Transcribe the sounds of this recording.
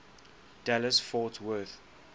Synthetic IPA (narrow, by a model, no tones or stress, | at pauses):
d̥ɛləsfɔtʰwɜθ